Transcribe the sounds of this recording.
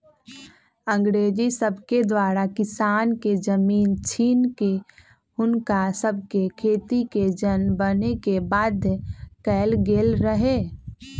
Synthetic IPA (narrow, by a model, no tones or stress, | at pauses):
ə̃ŋɡɾeːd͡ʒisəbʱked̪waːɾakɪsaːnked͡ʒəmiːnt͡ʃʰiːnke | ʊnkasəb̚ʱkekʰeːt̪iked͡ʒənbənekebaːd̪kɛːlɡeːlɾəɦe